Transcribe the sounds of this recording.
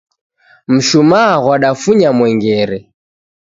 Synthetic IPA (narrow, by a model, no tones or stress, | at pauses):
m̩ʃumaɣwaɗafuɲamwɛŋɡɛɾɛ